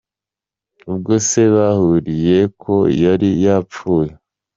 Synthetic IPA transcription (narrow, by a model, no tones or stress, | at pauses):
ubɡose̞βahuɾije̞kʰo̞jaɾijap͡fuːje